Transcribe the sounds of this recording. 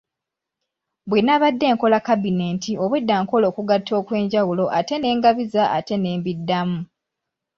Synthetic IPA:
bwenaβadːe̞ːŋko̞lakabine̞ntio̞βwedːaːŋko̞lo̞ːkuɡatʰːo̞ːkwe̞ːɲɟawulo̞ʔate̞ne̞ːŋɡaβizaa̰te̞ne̞ːmbidːamu

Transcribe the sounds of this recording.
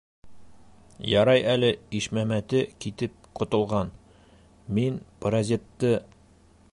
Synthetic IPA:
jɑɾɑjælɘiʃmæmæt̪ɘkit̪ɘp̚qŏt̪ŏlˠʁɑn | minpɾɐzʲet̪ːɤ

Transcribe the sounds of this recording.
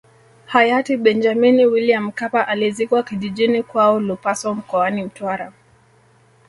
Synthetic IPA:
hajatiɓɛnd͡ʒaminiwiliam̩kapaʔalizikwakiʄiʄinikwaɔlupasɔm̩kɔanim̩twaɾa

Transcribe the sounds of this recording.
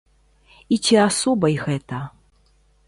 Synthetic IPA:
it͡sʲiasɔbɐjɣɛt̪ɐ

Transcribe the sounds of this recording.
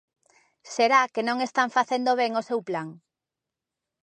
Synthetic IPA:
seɾakenõŋest̪aɱfaθend̪oβeŋosewplaŋ

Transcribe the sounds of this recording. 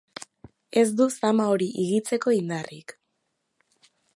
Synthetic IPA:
e̞zd̪usamaoɾiʔiɣit͡se̞ko̞ind̪arik

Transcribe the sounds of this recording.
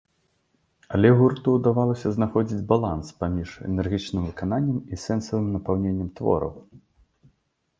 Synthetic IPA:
alʲɛɣurt̪uwd̪avalˠɐsʲɐznaxɔd͡zʲid͡zʲbalˠanspamʲiʂɛ̰nɛrɣʲit͡ʂnɨmvɨkananʲːɐmisɛnsɐvɨmnɐpawnʲenʲːɐmt̪vɔ̰ɾɐ̰w

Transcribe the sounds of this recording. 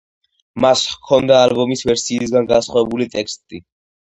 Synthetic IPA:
maskʰɔnd̪aːlbɔmisvɛɾsiːs̬ɡanɡasχwavɛbulit̪ʼɛkst̪ʼi

